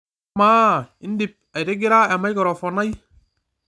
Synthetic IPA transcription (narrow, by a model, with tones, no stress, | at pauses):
maː˦ɪ˦n˦di˨p̚a˨jɾe˦ɡɪ˦ɾa˦a˨ma˦jkɔ˨ɾɔ˨fɔ˨na˦j